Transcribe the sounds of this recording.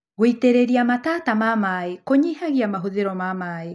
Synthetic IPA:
ɣoiteɾeɾiamatatamamaekoɲihaɣiamaɦoðeɾɔmamae

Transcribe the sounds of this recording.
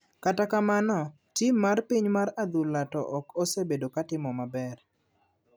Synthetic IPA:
katakamanɔ | timarpiɲmaɾad̪ulatɔ̰ʔɔkosebedokatɪmɔmabɛr

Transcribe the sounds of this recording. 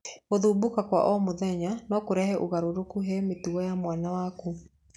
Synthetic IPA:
ɣoðuːbokakwa̰ʔɔmoðɛɲanɔkoɾɛhɛʔoɣaɾoɾokuɦɛmetuɔjamwanawaku

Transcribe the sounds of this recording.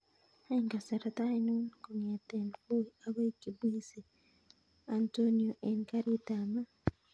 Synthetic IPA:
haiŋkasaɾatainunkoɲetenkuaβakiβwiːse | antonioʔenikaɾitama

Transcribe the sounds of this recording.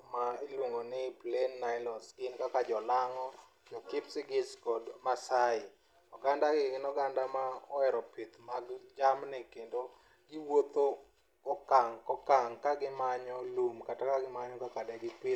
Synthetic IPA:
mailwoŋonɪplenːaɪlɔsɡɪnkakad͡ʒɔlaŋɔ | d͡ʒɔkɪpsɪɡɪskɔdmasaɪ | ɔɡandaɡɪɡɪnɔɡandamaɔɛɾɔpɪt̪maɡd͡ʒamnɪkendo | ɡɪwot̪o | kɔkaŋkɔkaŋkaɡɪmaɲɔlumkatakaɡɪmaɲɔkakadɛɡɪpɪ

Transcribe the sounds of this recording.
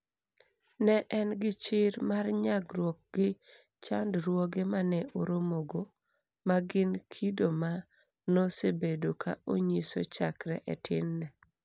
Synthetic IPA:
nɛʔɛnɡɪt͡ʃɪɾmarɲaɡɾwɔk̚ɡɪ | t͡ʃandɾwoɡemanɛʔoɾomoɡo | maɡɪnkʰidoma | nosebedokʰa̰ʔoɲiso̰t͡ʃakɾɛ̰ʔɛtʰɪnːɛ

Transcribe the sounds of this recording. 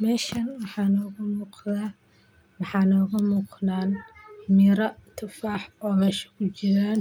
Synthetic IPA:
mɛːʃɐnwɑħɑːnɔːɣʊmuːqðaː | wɑħɑːnɔːɣɐmuːqnaːnmɪɾɐt̪ʰʊfaːħɔːmɛːʃɐ̥kʰʊt͡ʃɪɾaːn

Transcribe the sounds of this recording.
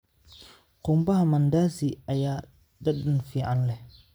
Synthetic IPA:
kombaamandaziaja | daɗunfiʔanle

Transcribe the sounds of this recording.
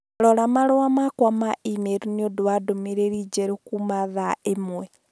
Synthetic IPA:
lɔlamalowamakwamaimeɾuniodwadomiɾeɾid͡ʒeɾekumaðaemwe

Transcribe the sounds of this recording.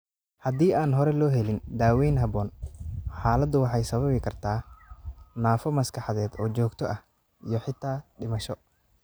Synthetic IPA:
hɐd̪iːaːnɦɔɾɛlɔːɦɛlɪnd̪aːwɛjnɦɐβɔːnħaːlɐd̪ʊwɑħɑjsɐβɐβɪkʰɐrt̪ʰaː | naːfɔmɐskʰɑħɑðɛːd̪ɔːt͡ʃɔːɡt̪ʰɔʔɐh | ijɔħɪt̪ʰaːɖɪmɐʃɔ

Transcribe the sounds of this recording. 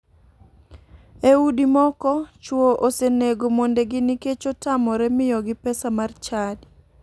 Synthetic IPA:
eudimɔkɔt͡ʃwoʔoseneɡomondeɡɪniket͡ʃotamɔɾɛmɪjɔɡɪpɛsamart͡ʃad

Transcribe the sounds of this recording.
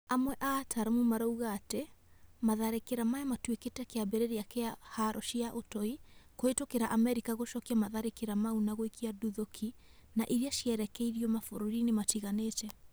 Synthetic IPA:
amwɛʔatʰaɾamumaɾauɣatemaðaɾekeɾamajamatweketɛkeabeɾeɾeakeahaɾʔɔʃiaʔotɔikoetokeɾaʔamɛɾikaɣoʃɔkiamaðaɾekeɾamaunaɣoekʰiaduðokʰinaʔiɾiaʃiɛɾɛkɛiɾiɔmafoɾoɾinematiɣanet͡ʃɛ

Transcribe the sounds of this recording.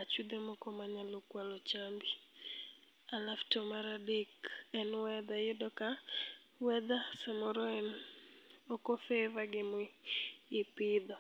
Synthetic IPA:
at͡ʃud̪emɔkɔmaɲalokwalɔt͡ʃambi | alaftɔmaɾadekɛnwɛd̪ajʊdɔka | wɛd̪asamɔɾɔɛn | ɔkɔfɛvaɡɪmɔ | ɪpɪd̪ɔ

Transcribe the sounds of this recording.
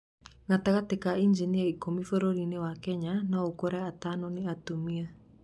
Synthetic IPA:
ŋɡatakatekaind͡ʒiniaikomifoɾoɾinewakɛɲanaokɔɾɛatanɔneatomia

